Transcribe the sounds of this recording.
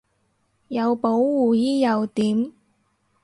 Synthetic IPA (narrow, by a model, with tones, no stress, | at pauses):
jɐ˨˧wpo˨˥wwuː˨jiː˥jɐ˨˧wt̪iː˨˥m